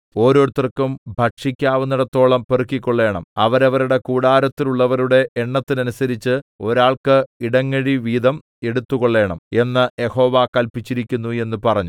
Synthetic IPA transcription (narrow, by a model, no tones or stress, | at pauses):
o̞ːɾo̞ːɾut̪ːɐrkːumbʱɐʈʂikʲːaːʋunːuɽet̪ːo̞ːɭɐmperukːikʲːo̞ɭːe̞ːɳɐ̰mɐʋɐɾɐʋɐɾuɽe̞kuːɽaːɾɐt̪ːiluɭːɐʋɐɾuɽe̞ʔeɳːɐt̪ːinɐnusɐɾit͡ɕːɨo̞ɾaːɭkɨiɽɐŋːeɻiʋiːd̪ɐm | e̞ɽut̪ːuɣoɭːe̞ːɳɐme̞nːɨje̞ho̞ːʋakɐlpit͡ɕːiɾikʲːunːue̞nːupɐrɐɲːu